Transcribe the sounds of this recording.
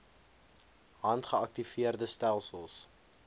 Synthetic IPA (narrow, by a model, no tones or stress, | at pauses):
ɦɐntχəɐk̚tifiərdəstælˠsəlˠs